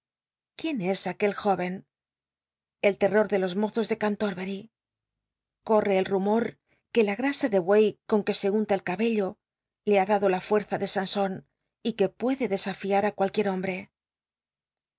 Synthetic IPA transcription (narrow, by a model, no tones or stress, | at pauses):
kje̞ne̞sake̞lxo̞βe̞n | e̞lt̪e̞ro̞ɾðe̞lo̞zmo̞θo̞zðe̞kant̪o̞ɾβe̞ɾi | ko̞re̞ːlrumo̞ɾ | ke̞laɣ̞ɾasaðe̞βwejko̞ŋke̞se̞unt̪aelkaβe̞ʎo̞ | le̞aðaðo̞lafwe̞ɾθaðe̞sanso̞n | ike̞pwe̞ðe̞ðe̞safiaɾakwalkje̞ɾo̞mbɾe̞